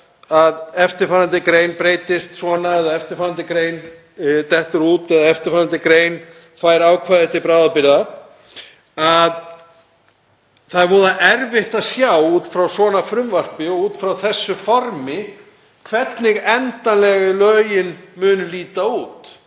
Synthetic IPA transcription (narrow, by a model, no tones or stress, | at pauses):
aðɛft̪ɪɾfaɾant̪ɪkɾeːjnpɾeːjt̪ɪst̪svɔnaɛðaɛft̪ɪɾ̥faːɾant̪ɪkɾeːjn | t̪ɛht̪ʏɾuːt̪ɛðaɛft̪ɪɾfaɾant̪ɪkɾeːjn | faːjɾaːwkʰvaːðɛht̪ːɪpɾaːðapɪɾða | að | θaðɾvɔːðaʔɛɾvɪht̪aðsjawuːt̪fɾawsɔːnafɾʏmvar̥pɪɔuːt̪fɾawθɛsːʏfɔɾmɪ | kʰvɛt̪nɪɣɛnt̪anlɛɣʏlœːjɪnmʏːnʏliːt̪auːt̪